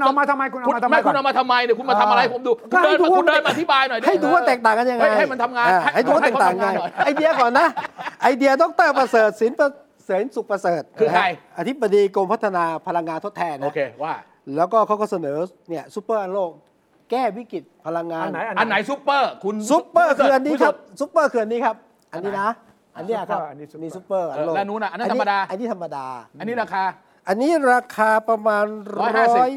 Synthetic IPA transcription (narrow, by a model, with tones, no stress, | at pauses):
nʔɔ˧maː˧t̪ʰa˧mːa˧jkʰu˧nʔɔ˧mɛ˥˩kʰu˧nʔmaː˧t̪ʰa˧mːa˧jni˧˩kʰu˧nmaː˧t̪ʰa˧ʔa˧˦hpo˩˦mduː˧kɔː˥˩hːndu˧wa˥˧˩dəː˧nma˧nʔa˧t̪ʰi˦˥baː˧jnɔ˨˩jha˥˩jduː˧wa˥˩t̪ɛː˨˩k̚t̪aː˨˩ŋka˧nja˧ŋŋa˥a˧jjha˥˩jma˧nt̪ʰa˧mŋaː˧aː˧˩ha˥˩jd̪uː˧wa˥˧ɛː˨˩˧t̪ːaː˨a˨˩ŋː˧a˧˩˨ʔa˧jdi˧ɐ˧kɔː˨˩nːa˦˥ʔa˧jdi˧ɐdɔ˦˥k̚t̪ɤː˥˩pɾa˧sɤː˨˩t̪̚si˨˩˦np | si˩˦nsu˨˩k̚pɾa˧sɤː˨˩t̪̚nʰɯː˧kaa˧˩jʔa˧t̪ʰi˦˥bːa˧diː˧ko˧mpʰa˦˥t̪ʰːa˧naː˧pʰa˧la˧ŋːaː˧nt̪ʰo˥t̪ʰɛː˧nːa˦˧˥kʰeː˧waː˥˩ | lɛː˦˥wkɔː˥˩kʰa˦˥wkɔː˥˩sa˧nɤː˩˦ | ni˥˩ɐsu˦˥pːɤː˥˩ʔa˧nloː˥˩k̚ | kɛː˥˩wi˦˥ki˨˩t̪̚pʰa˧la˧ŋːaː˧n˩˦˧a˧nːa˩˦jsu˦˥pːɤː˥˩kʰu˧nsu˦˥pːɤː˥˩kʰɯː˧ʔa˧nːiː˦kʰa˦˥p̚su˦˥pːɤː˥˩kʰɯː˧a˧nːiː˦˥kʰa˦˥p̚ | ʔa˧nːiː˦˥na˦˥ | ʔa˧nːiː˦˥˩la˨˩kʰa˦˥˦niː˧˩su˦˥pːɤː˥˩ʔa˧n˧loː˧˨˦nuː˦˥na˦˥ʔa˧nː˦˧nʰiː˦˥˧daː˧ʔa˧nːiː˦˥t̪ʰa˧mːa˧daː˧nːi˦˥ɾa˧kʰaː˧ | ʔa˧nːiː˦˥ɾaː˧kʰaː˧pɾa˧maː˧n˦ɾɔː˥j